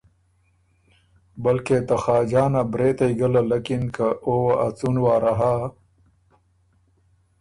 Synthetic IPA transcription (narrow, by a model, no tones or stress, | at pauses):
bɐlket̪ɐxaːd͡ʒaːnabɾeːt̪ɐiɡɐlalɐkinkaʔowaʔat͡sunwaːɾaɦa